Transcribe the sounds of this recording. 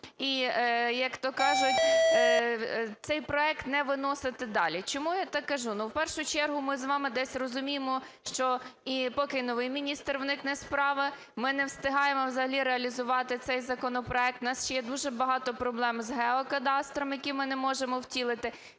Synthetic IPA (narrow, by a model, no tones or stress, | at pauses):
ijɐkt̪ɔkɑʒʊtʲ | t̪sɛjpɾɔɛkt̪nɛʋɪnɔsɪt̪ɪd̪ɑlʲit͡ʃɔmujat̪ɑkːɐʒunuwpɛrʃʊt͡ʃɛrɦʊmɪzʋɑmɪd̪ɛsʲrɔzʊmʲijemɔʃt͡ʃɔipɔkɪnɔʋɪjmʲinʲist̪rwnɪknɛspɾɑʋɪ | mɪnɛwst̪ɪɦɑjemɔwzɐɦɐlʲiɾeɐlʲizʊʋɑt̪ɪt̪sɛjzɐkɔnɔpɾɔɛk̚t̪nɑsʃɛjɛd̪uʒɛbɐɦɑt̪ɔpɾɔblˠɛmzɦɛɔkɐd̪ɑst̪ɾɔmjɐkʲimɪnɛmɔʒemɔwtʲilˠɪt̪ɪ